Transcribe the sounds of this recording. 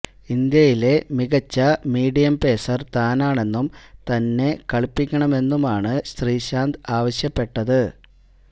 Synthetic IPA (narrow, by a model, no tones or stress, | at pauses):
ind̪jɐjile̞miɣɐt͡ɕːɐmiːɽijɐmpe̞ːsɐrt̪aːnaːɳe̞nːumt̪ɐnːe̞kɐɭpːikʲːɐɳɐme̞nːumaːɳɨɕt̪riːɕaːnd̪aːʋɐɕjɐpːe̞ʈːɐðɨ